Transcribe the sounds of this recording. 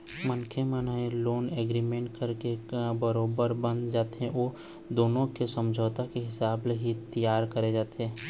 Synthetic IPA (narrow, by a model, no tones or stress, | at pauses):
mənkʰeməneloːnɛːɡɾimẽːɳʈ̚kəɾkebəɾoːbəɾbə̃nd̪d͡ʒaːt̪ɛ̃ʔoː | d̪oːnõkesəmd͡ʒʱoːt̪akeɦɪsaːbleɦit̪əjaːɾkəɾed͡ʒaːt̪eː